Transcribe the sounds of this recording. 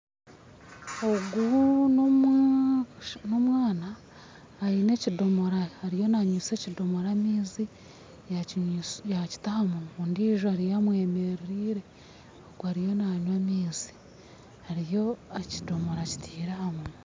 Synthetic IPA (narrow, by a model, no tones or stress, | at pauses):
oɡunom | no̞mwaːnaː | ine̞cido̞mo̞ɾahaɾijo̞naɲiːse̞cido̞moɾamiːzi | jajaci̥tahamunuːndiːʒoaɾijamwe̞ːmeɾiɾiːɾe̞ | oɡuaɾijo̞naɲwamiːzi̥ | haɾijo̞ecidomoɾaci̥tʰiːɾahamunu